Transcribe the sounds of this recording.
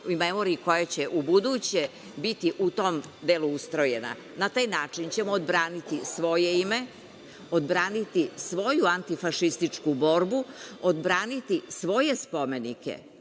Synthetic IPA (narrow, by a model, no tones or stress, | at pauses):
memoɾiiko̞jat͡ɕeʔubud̪ut͡ɕe | bit̪iʔut̪o̞md̪eluust̪ɾo̞jena̰ | nat̪aːjnaːt͡ʂint͡ɕe̞moːd̪bɾaːnit̪isʋo̞jeime̞ | od̪bɾaːnit̪isʋo̞juant̪ifaʃist̪it͡ʂkubo̞ːɾbuod̪bɾaːnit̪isʋo̞jespo̞me̞nikḛ